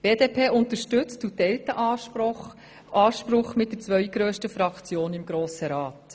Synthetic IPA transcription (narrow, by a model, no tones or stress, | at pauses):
b̥eːd̪eːpʰeːʔʊnt̪əʃtʉt͡stutɛltəʔɑχ | ɑːʃpɾʊχmɪt̚d̥əɾt͡sʋœʏɡ̥ɾøːʃtəfɾɑkt͡sjoːnɪmɡɾoːsəɾɑːt